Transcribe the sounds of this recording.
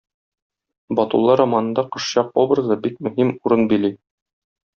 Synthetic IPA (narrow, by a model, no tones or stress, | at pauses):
bɒt̪ṵlˠːɑɾɒmɑnɤ̆nd̪ɑqɤ̆ʃɕɑqobɾɤ̆zɤbik̚mɵ̆ɦhimuɾɤnbili